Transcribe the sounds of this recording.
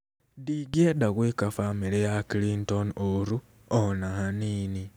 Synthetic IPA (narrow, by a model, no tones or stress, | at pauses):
diɡedaɣwiːkafamilejakilintonoɾu | onahaniːni